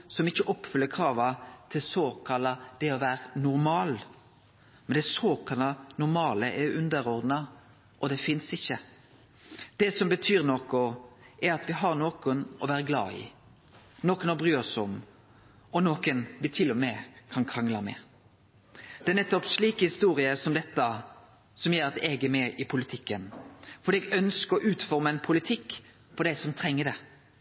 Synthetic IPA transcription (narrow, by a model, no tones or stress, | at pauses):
sɔmɪçːəʔɔpːfʏlːəkʰɾɑːʋɑt̪ʰɪlsoːkʰɑlɑd̪̥ɛɔʋæːɾənʊɾmɑːl | mɛnd̪ɛsoːkʰɑlɑnʊɾmɑːləʔɛʉnd̪əɾɔɾd̪nɑ | ʔɔd̪ɛfɪnsɪçːə | d̪̥ɛsɔmbət̪ʰyːɾnɔkʊɛɾɑt̪ʋɪɦɑɾnoːkʊnɔʋæːɾəɡlɑ̰ːɪ̰ | noːkənɔbɾyːɔsɔm | ɔnoːkənʋɪt̪ʰɪlːɔmɛkʰɑnkʰɾɑŋlɑmɛ̰ | d̪̥ɛæɾnɛt̪ːɔpsɭiːkəhɪst̪uːɾɪəsɔmd̪ɛt̪ːə | sɔmjeːɾɑt̪ɛːɡɛmeːʔɪpʰʊlɪt̪ʰɪkːənfɔɖ̪iːɛɡœnskəɾɔʔʉːt̪fɔɾməɛnpʰʊlɪt̪ʰɪkː | fʰɔd̪æɪsɔmt̪ʰɾɛŋːəɖ̪ɛ